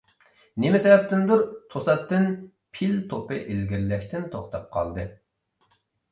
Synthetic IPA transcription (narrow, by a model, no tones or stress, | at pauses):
nemɪsɛbɛp̚t̪ɪnd̪uɾt̪ʰosɑt̪ːɨn | pʰilt̪ʰopɨʔelɡʲiɾlɛʃt̪ɪnt̪ʰoχt̪ʰɑp̚qʰɑ̰lˠd̪ɨ